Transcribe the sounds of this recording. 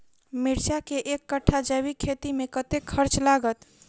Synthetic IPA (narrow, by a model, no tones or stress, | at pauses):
miɾt͡ʃakeʔekːəʈʰːad͡ʒəβikʰet̪imekət̪ekʰːəɾt͡ʃlaɡət̪